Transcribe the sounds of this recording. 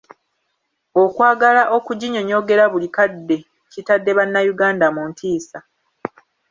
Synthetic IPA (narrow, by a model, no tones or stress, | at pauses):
o̞kwaːɡalaʔo̞kuɟiɲo̞ɲo̞ɡe̞ɾaβulikadːe̞ | citadːe̞βanːajuɡaːndamuːntʰiːsa